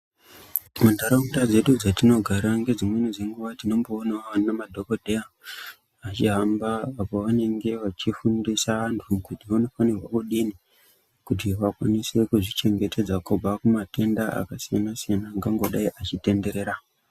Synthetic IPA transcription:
mandaɾamutad͡ze̞ɗud͡zatino̞ɡʱaɾaŋɡe̞d͡zimwenid͡zeŋɡuʋatino̞mboːnaanamadʱo̞kodʱeja | at͡ʃiɦambaːpoʋane̞ŋɡe̞ʋat͡ʃifundisaantʰukutiʋano̞fanirwakuɗini | kutiʋakwanise̞kuʐit͡ʃe̞ŋɡe̞te̞d͡zakobʱakumate̞ndaa̰kasijanasijanaːŋɡaŋɡo̞ɗaiʔat͡ʃite̞nde̞ɾe̞ːɾa

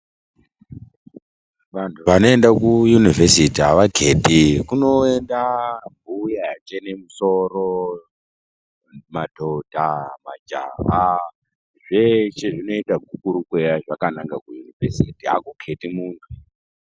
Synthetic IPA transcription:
ʋantʰuʋano̞endakujunivʱesitiaʋakʰeːtikuno̞e̞ndambujajat͡ʃene̞muso̞ro | madʱodʱama̰d͡ʒa̰ɦa | ʐe̞ʃe̞ʐino̞itaɡʱukuɾukwejaʐakanaŋɡakujunivesitia̰kukʰetimuːndu

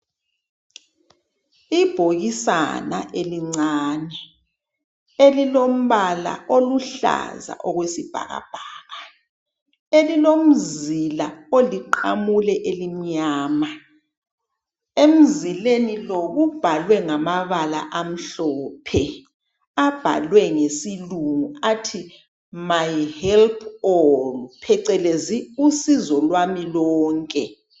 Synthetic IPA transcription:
ib̥ʱoɣisa̰na̰ʔeliŋ͡ǀaːnɛ | elilom̩βala̰ʔoluɬa̰za̰ʔɔɣwesib̥ʱa̰ɣa̰b̥ʱaːɣa | elilom̩zilaoliǃa̰mulɛʔelim̩ɲaːma | em̩zilenilɔɣub̥ʱalwɛŋamaβala̰ʔam̩ɬɔːpʰɛ | ab̥ʱa̰lwɛŋesiluŋuatʰi | majhɛlpʰɔpʰɛǀɛleziusizɔlwamilɔːŋkʼɛ

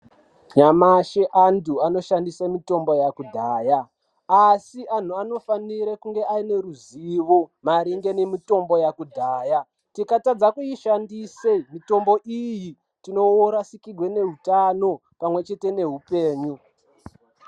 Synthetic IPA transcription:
ɲamaʃeʔanduano̞ʃandisamito̞mbo̞jakudʱaːja | asiʔan̤uano̞faniɾekuŋɡe̞ʔaine̞ɾuziʋomaɾiŋɡe̞nemito̞mbo̞jakudʱaːja | tikatad͡zakujiʃandisemito̞mbo̞ʔiji | tino̞woɾasikiɡwe̞ne̞ɦutano̞ | pamwe̞t͡ʃe̞te̞ne̞ɦupeːɲu

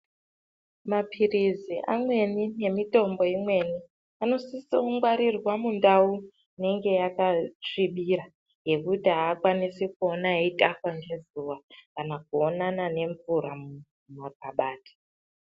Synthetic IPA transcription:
mapʰiriziʔa̰mwe̞nine̞mito̞mbo̞imwe̞ni | ano̞sisiuŋɡwaɾirwamundau | ne̞ŋɡe̞jakat͡ʂiɓiɾa | ɦe̞kutiaːkwanisekuonaeitʼafwaŋɡe̞zuwakanak̚uonanane̞ɱvuɾamu | mapaɓaːtʰi̥

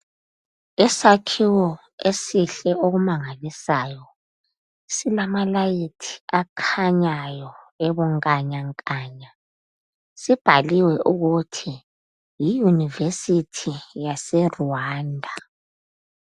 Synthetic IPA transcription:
ɛsakʰiwɔ | esiɬɛʔoɣumaŋalisaːjɔ | silamalajitʰi̥akʰaɲajɔeβuŋkʼaɲaŋkʼaːɲa | sib̥ʱaliwɛʔuɣutʰi | jijunivesitʰijasɛruwaːndʱa

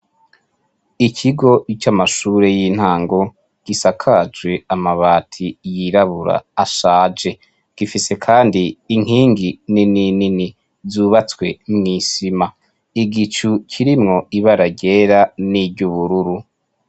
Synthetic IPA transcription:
ikʰiɡo̞ʔit͡ʃamaʃuɾe̞jiːn̥haːŋɡo̞ | ɡ̥isakʰad͡ʒwe̞amaβaːtʰijiɾaβuɾa̰ːʃaːd͡ʒe̞ | ɡ̥ifise̞kʰaːndiːŋ̥hiːŋɡinininini | zuːβat͡swe̞mŋiːsima | iɡit͡ʃucʰiɾimŋo̞iβaɾaɟe̞ːɾanibɟuβuɾuɾu

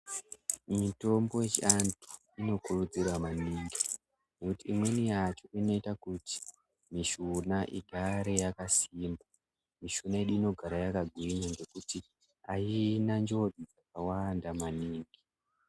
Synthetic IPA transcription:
mito̞mbo̞jet͡ʃiantʰu̥ | ino̞kurud͡ziramaniːŋɡi | nekutiːmwe̞nijat͡ʃo̞ino̞itakuti̥ | miʃunaʔḭɡʱaɾe̞jakasiːmba | miʃunaeɗuino̞ɡʱaɾajakaɡʱwiɲaŋɡe̞kuti | ainand͡ʒo̞did͡zakawandamaniːŋɡi

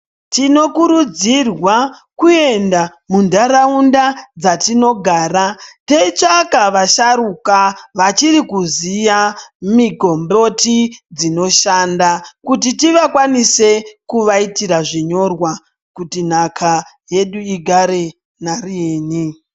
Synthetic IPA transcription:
tino̞kuɾud͡zirwakue̞nda | mundaɾaundad͡zatino̞ɡʱaːɾate̞it͡ʃakaʋaʃaɾukaʋat͡ʃiɾikuzijamiɡʱo̞mbo̞tid͡zino̞ʃandakutitiʋakwanise̞kuʋaitiɾaʐiɲo̞rwa | kutin̤akʰa | je̞ɗuiɡʱaɾe | narieːni

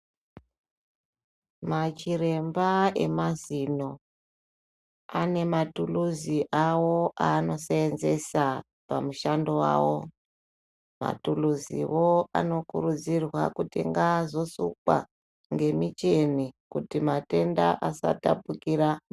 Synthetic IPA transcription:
mat͡ʃire̞mbae̞̰mazino̞ | ane̞matuluziʔawo̞ʔano̞seːnze̞sa | pamuʃandowa̰ːwo̞ | ma̰tuluzḭwo̞a̰no̞kuɾud͡zirwa̰kutiŋɡazo̞sukwa̰ | ŋɡe̞mit͡ʃe̞nikutimate̞ndaʔasa̰tapukiɾa

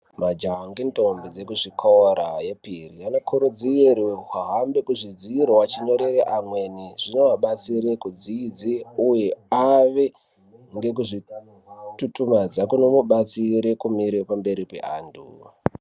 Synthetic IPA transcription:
mad͡ʒaɦaŋɡentombid͡ze̞kuʐikʰoɾaje̞pirianokʰuɾud͡zieɾiɦaɦambe̞kuʐid͡ziiɾowat͡ʃiɲo̞ɾeɾeʔamwe̞niʐ̥ino̞ʋaɓat͡siɾekud͡ziid͡ziuje̞aʋe | ŋɡe̞k̬uʐi | tutumad͡zakuno̞muɓat͡siɾekumiɾepambe̞ɾipḛʔaːntʰṵ

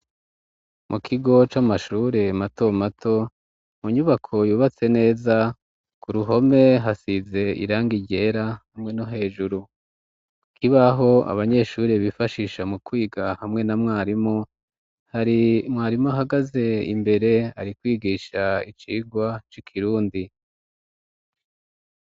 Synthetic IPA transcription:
mʔukʰiɡo̞t͡ʃamaʃuɾe̞mato̞matʰo̞ | muɲuβakʰo̞juːβat͡se̞ne̞ːza | kuɾuɦo̞me̞ɦasize̞ḭɾaːŋɡiɟe̞ːɾahamŋe̞no̞ɦe̞ːʒuɾu | kʰiβaɦo̞a̰βaɲe̞ʃuɾiβifaʃiːʃamukwiːɡahamŋe̞namŋaːɾimo | haɾimwaːɾimo̞ɦaɡaze̞ḭmbe̞ɾe̞a̰ɾikwiːɡiːʃait͡ʃiːɡwat͡ʃikʰiɾuːndi

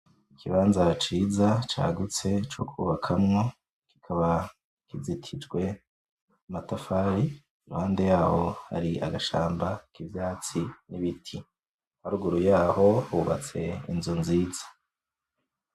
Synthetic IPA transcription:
ikʰiβaːnzat͡ʃiːzat͡ʃa̰ːɡut͡se̞t͡ʃokʰuːβakʰamŋo̞ | ki̥kʰaβa | kizitʰid͡ʒɡwe̞ | amatafaːɾi | iɾuhaːnde̞jaːho̞ha̰ɾiaɡaʃa̰ːmbakivjaːt͡siniβitʰi | haɾuɡuɾujaːho̞uβat͡se̞ḭnzunziːzḁ

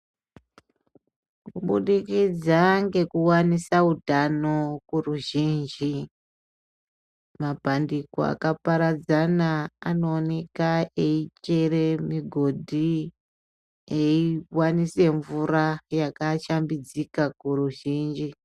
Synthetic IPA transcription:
kuɓuɗikid͡zaŋɡe̞kuwanisaudʱanokuruʒind͡ʒi | mapandiko̰a̰kapaɾad͡zanaano̞ːne̞kaeit͡ʃere̞miɡʱo̞dʱi | eiwanise̞ɱvuɾajakaʃambid͡zikakuruʒiːnd͡ʒi

